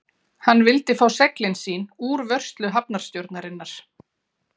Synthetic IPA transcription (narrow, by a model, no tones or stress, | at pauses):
hanːvɪlt̪ɪfaːwsɛklɪnsiːnuːɾvœr̥st̪lʏɦap̚naɾ̥st̪jɔwɾt̪naɾɪnːaɾ̥